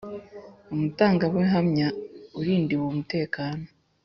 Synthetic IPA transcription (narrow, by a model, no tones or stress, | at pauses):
umutaːŋɡaweɦamɲauɾiːndiwomute̞ːkaːno